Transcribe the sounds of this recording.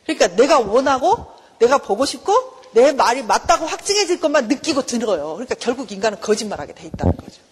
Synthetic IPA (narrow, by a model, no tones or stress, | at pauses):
kɯɲik͈ane̞ɡawʌnɦaɡo | ne̞ɡapoɡoɕʰikʰo | ne̞maɾimat̚t͈aɡoɸwak̚t͡ɕ͈ɯŋɦe̞d͡ʑɯɭk͈ʌmanːɯk͈iɡotɯɾʌjokɯɲik͈akjʌɭɡuɡiŋɡanɯnkʌd͡ʑimmaɾɦa̰ɡe̞dtwe̞it̚t͈a̰nɯnɡʌd͡ʑo